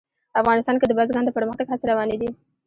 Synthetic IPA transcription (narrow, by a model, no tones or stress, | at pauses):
afɣɑnɪst̪ɑnked̪əbazɡɑnd̪əpəɾməxt̪aɡhaseɾawɑned̪i